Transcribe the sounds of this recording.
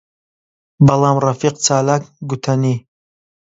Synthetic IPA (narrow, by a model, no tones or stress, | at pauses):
bɐlˠaːmrɐfiq̚t͡sʰaːlak̚ɡut̪ʰɐni